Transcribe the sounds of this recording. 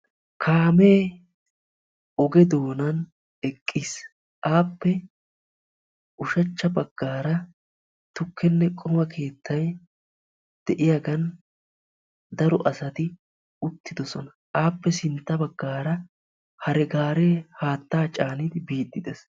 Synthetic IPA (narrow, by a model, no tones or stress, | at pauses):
kʰaːme̞ː | ɔɡɛd̪o̞ːnɐn | ɛkʼːis | ʔaːpːɛ | ʔʊʃɐt͡ʃːɐbɐɡ̥ːaːɾɐ | t̪ʊkʰːɛnːɛkʼɔmɐkʰe̞ːt̪ʰːɐj | d̪̥ɛʔɪjaɡɐn | d̪ɐɾɔʔɐsɐt̪ɪ | ʊt̪ːɪd̪ɔsɔnɐ | aːpːɛsɪnt̪ːɐbɐɡːaːɾɐ | hɐɾɛɡaːɾeːhaːt̪ːaːt͡ʃʼaːnɪd̪ɪbiːt̪ʼːɪd̪ɛs